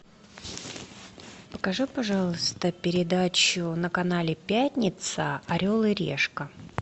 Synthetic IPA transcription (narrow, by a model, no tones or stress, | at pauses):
pə̥kɐʐɨpɐʐɑlˠəst̪əpʲɪɾʲɪd̪at͡ɕʊnəkɐnalʲɪpʲæt̪ʲnʲɪt̪səɐɾʲolˠɨɾʲḛʂkə